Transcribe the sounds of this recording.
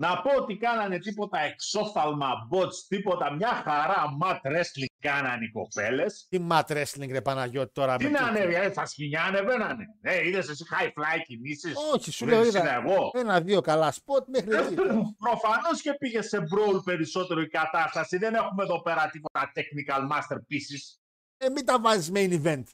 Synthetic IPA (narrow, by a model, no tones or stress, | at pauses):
nɐpo̞ot̪ikɐnɐne̞t̪ipo̞t̪ɐe̞kso̞fɐlmɐbot͡st̪ipo̞t̪ɐmɲɐxɐɾɐmɐt̪ɾe̞sliŋɡkɐnɐniko̞̰pe̞le̞simɐt̪ɾesliŋɡnepɐnɐʝo̞t̪it̪oɾɐminɐneeθɐsciɲɐnevenɐneneiðesesixɐjflɐjcinisisoçisuleoɾiðɐeɣo̞enɐðio̞kɐlɐspo̞ɾt̪mexɾipɾo̞fɐno̞sce̞piʝesːe̞bɾo̞wlpe̞ɾiso̞t̪e̞ɾoikɐt̪ɐst̪ɐsiðenexumeðo̞pe̞ɾɐt̪ipo̞t̪ɐt̪eknikɐlmɐst̪eɾpisis | emit̪ɐvɐzizmejnive̞nt̪